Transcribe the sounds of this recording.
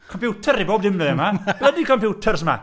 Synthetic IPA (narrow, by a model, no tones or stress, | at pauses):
kʰɔmpjuːtʰəɾiboːb̚dɪmɪɛmab̥lədikʰɔmpʰjuːtʰərsəma̰